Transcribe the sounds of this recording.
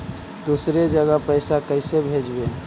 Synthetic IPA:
d̪usɾed͡ʒəɡəpəɪsakəɪsebʱed͡ʒbe

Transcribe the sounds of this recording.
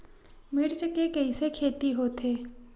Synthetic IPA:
mɪɾd͡ʒkekɐisekʰeːt̪iɦoːt̪ʰeː

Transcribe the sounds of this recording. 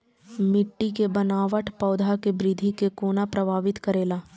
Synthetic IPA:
mɪʈːikebənaːʋəʈʰpɔːd̪ʱakebɾid̪ʱikekoːnapɾɐbʱaːʋɪt̪kəɾeːlaː

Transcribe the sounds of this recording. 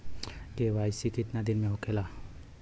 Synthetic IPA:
ɡewajsikit̪nad̪inmeɔkʰela

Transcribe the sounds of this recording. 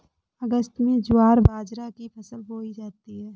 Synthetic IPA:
əɡəst̪mẽd͡ʒʊaːɾbaːd͡ʒɾakipʰɐsəlɦoːid͡ʒaːt̪iɦɛː

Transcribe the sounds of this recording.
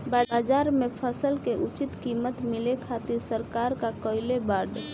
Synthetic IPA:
bad͡ʒaɾmepʰəsəlkeʔut͡ʃit̪kimət̪milekʰat̪iɾsəɾkaɾkakəɪlebaɾd̪

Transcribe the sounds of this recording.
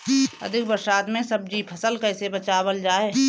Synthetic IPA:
ə̰d̪ʱɪk̚bəɾʃaːt̪mẽsəb̚d͡ʒipʰəsəlkɛːsebət͡ʃaːbəld͡ʒaːeː

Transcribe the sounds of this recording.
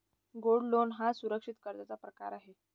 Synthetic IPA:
ɡoɽlonɦasuɾəkʂit̪kəɾt̪at͡sapɾəkaɾaɦe

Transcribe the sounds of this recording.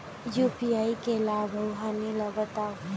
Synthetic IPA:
jupiaːikelaːbʱɐwɦaniləɡət̪aː

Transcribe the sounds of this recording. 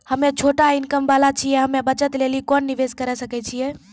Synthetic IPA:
həmet͡ʃʰoʈainkəmbalat͡ʃʰiɛɦəmebət͡ʃət̪lelikɔnːiʋeskəɾɛsəkɛt͡ʃʰijɛ

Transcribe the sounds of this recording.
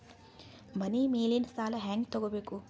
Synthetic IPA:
mɐniːmeːlinsaːlɐɦaːŋɡt̪oɡobeːku

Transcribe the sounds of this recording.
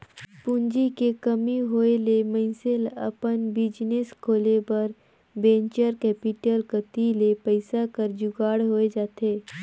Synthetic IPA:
pʊnd͡ʒikekəmiɦoːelemə̃ɪselə̰pənbɪd͡ʒneskʰoːlepɐɾ | bẽːɲt͡ʃəɾkɛːpɪʈəlkət̪ilepəɪsakəɾd͡ʒʊɡaːɽɦoːed͡ʒaːt̪eː

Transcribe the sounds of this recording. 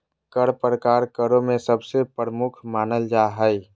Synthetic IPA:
kəɽpɾəkaːɾkəɾõmẽsəbsepəɾəmʊkʰmaːnəld͡ʒaːɦəi

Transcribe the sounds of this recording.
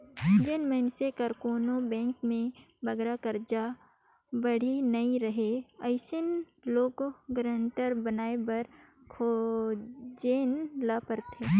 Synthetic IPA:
d͡ʒeːnməɪnsekɐɾkoːnobɛ̃ːŋkmẽ | bɐɡɾakɐɾd͡ʒa | bɐɽ̤inɐĩɾɐɦeɐɪsɪn | loːɡɡɾə̃ːɳʈəɾbɐnaːebɐɾkʰoː | d͡ʒeːnlapəɾt̪ʰeː

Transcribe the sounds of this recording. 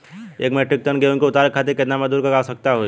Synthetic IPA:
ḛːkmɛʈɪk̚t̪ənɡeũnkeʊt̪aːɾəkʰat̪̬eɾkeːd̪namẽd̪uːɾkɐɡaːsək̚t̪aɦoː

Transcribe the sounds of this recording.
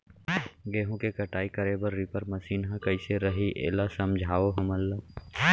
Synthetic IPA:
ɡeːɦõkekɐʈaːikɐɾebəɾːipəɾmɐsiːnɦãkɐiseɾɐɦiʔḛːlasɐmd͡ʒʱaːʋoɦɐməlːa

